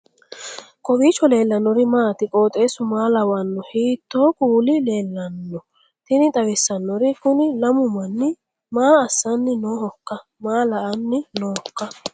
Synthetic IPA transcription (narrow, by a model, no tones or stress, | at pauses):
kʼɔwiːt͡ʃːɔle̞ːlːɐnːɔɾɪmaːt̪ɪkʼo̞ːt̪ʼe̞ːsʊmaːlɐwɐnːɔhiːt̪ːo̞ːkʼuːlɪle̞ːlːɐnːɔ | t̪ɪnɪt̪ʼɐwɪsːɐnːɔɾɪkʊnɪlɐmʊmɐnːɪ | maːɐsːɐnːɪnoːhɔkːɐ | maːlɐʔɐnːɪnoːhɔkːɐ